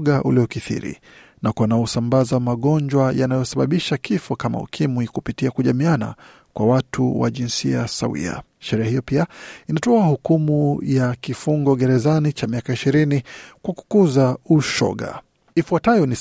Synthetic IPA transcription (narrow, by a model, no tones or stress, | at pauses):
ɠaʔṵliɔkiθḭɾḭ | nakwanajɔsambazamaɠɔnd͡ʒwajanajɔsaɓaɓiʃakʰifɔkama̰ṵkʰimwikupitiakuʄamiana̰ | kwawatʰuwa̰ʄinsiasa̰wḭa̰ | ʃɛɾɛahijɔpiainatɔahukumujakifuŋɡɔɠɛɾɛzanit͡ʃamiakaiʃiɾinikwaku̥kuzauʃɔ̰ɠa̰ | ifuatajɔni